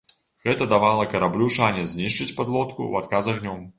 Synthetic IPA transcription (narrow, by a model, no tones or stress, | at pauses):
ɣɛt̪ɐd̪avalˠɐkɐɾablʲuʂanʲɛzʲnʲiʂt͡ʂɨt͡sʲpad̪lˠɔt̪kṵat̪kazɐɣnʲɔm